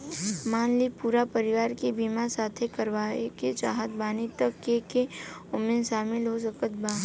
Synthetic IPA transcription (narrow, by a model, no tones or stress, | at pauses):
maːnlipuːɾapəɾɪʋaːɾkebimasaːt̪ʰekɐɾʋaːeket͡ʃaːɦət̪baːnit̪əkːekeʊmẽnʃaːmɪlɦos̬ɐkət̪baː